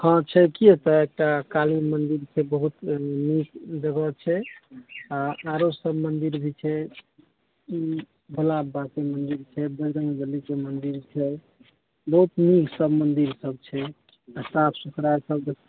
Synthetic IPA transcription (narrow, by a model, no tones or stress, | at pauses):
kɔ̃t͡ʃʰɛkiet̪əek̚ʈakalimənd̪iɾt͡ʃʰɛbəɦut̪mikd͡ʒəɡət͡ʃʰɛ | aaɾosəbmənd̪iɾbʱit͡ʃʰɛ | i | bʱəlabːakemənd̪iɾt͡ʃʰɛbəd͡ʒɾəŋɡbəlikemənd̪iɾt͡ʃʰɛ | bəɦut̪miksəbmənd̪iɾsəb̚t͡ʃʰɛ | əsapʰsukɾasəbd͡ʒə